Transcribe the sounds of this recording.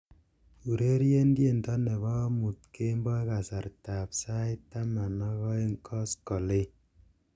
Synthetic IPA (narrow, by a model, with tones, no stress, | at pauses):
u˨ɾe˦ɾje˦ndje˦˨ntɔ˦nɛ˨bɔ˦mu˨tke˦mbɔ˦jka˨sa˨ɾta˨psa˦jta˦ma˨nɔ˦kɔ˦ŋkʰɔ˦skɔ˨le˦